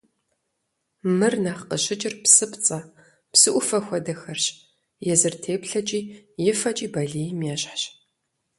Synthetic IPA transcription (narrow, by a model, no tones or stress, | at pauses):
mɨrnaːχqəɕɪt͡ʃʼɪrpsɨpt͡sʼɐ | psɨʔʷʊfɐxʷɔdɐxɐrɕ | jɛzɨrtʰeːpɬɐt͡ʃʼiːjɪfɐt͡ʃʼiːbɐɮijmjɛːɕħɕ